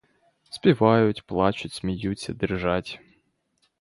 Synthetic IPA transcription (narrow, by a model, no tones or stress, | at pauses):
spʲɪvajʊtʲplˠat͡ɕʊt̪ʲsʲmʲɪjusʲə̰d̪ɨrʐatʲ